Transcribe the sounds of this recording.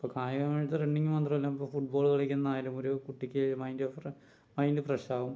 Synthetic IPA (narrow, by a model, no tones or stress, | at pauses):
ipːokaːjɐɣɐmaɻt̪ːɨreɳːiŋːɨmɐnd̪rɐmɐlːaːmipːoːfuʈ̚bo̞ːɭɣɐɭekʲːunːɐðaːjɐlumoɾukuʈːikʲːɨmɐjndor | mɐjndɨprɐɕaːʋum